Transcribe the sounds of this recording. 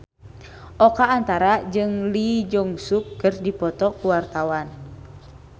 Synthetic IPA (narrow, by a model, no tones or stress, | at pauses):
ʔɔkaːnt̪aɾad͡ʒɨŋlid͡ʒɔŋsukːɨrdipɔt̪ɔkuwart̪awan